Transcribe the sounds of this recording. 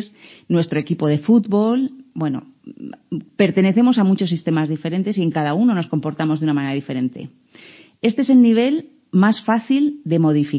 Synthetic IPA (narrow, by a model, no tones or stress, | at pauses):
snwe̞st̪ɾo̞e̞kipo̞ð̞e̞fut̪βo̞lbwe̞no̞̰ | pe̞ɾt̪e̞ne̞θe̞mo̞samut͡ʃo̞s̬ːist̪e̞mazðife̞ɾe̞nt̪e̞sie̞ŋkaðauno̞no̞sko̞mpo̞ɾt̪amozðunamane̞ɾaðifeɾe̞nt̪e̞̰ | e̞st̪eese̞lniβ̞e̞l | masfaθild̪e̞mo̞ð̞ifi